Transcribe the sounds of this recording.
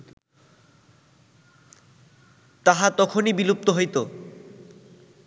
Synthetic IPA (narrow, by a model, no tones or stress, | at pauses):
t̪aɦat̪ɔkʰonibilup̚t̪oɦojt̪o